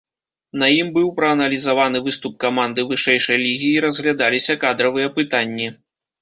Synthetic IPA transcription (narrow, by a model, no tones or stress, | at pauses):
nɐjimbɨwpɾɐːnɐlʲizavanɨvɨst̪up̚kamand̪ɨvɨʂɛjʂɐjlʲiɣʲiːɾɐzɣlʲad̪alʲisʲɐkad̪ɾɐvɨjɐpɨt̪anʲːi